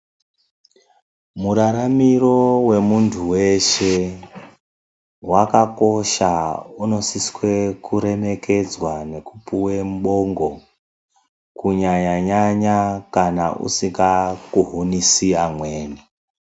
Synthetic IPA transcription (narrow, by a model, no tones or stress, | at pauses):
muɾaɾamiro̞we̞muntʰuwe̞ʃe̞ | wakako̞ʃauno̞siskwe̞kuɾe̞me̞ke̞d͡zwane̞kupuwemɓo̞ŋɡo̞ | kuɲaɲaɲaɲakana̰ʔṵsiŋɡakuɦunisiamwe̞ːni